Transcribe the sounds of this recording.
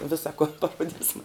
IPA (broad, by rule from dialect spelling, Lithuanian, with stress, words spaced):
ˈʋʲɪsɐ koːn pɐˈroːdʲɪsmɐ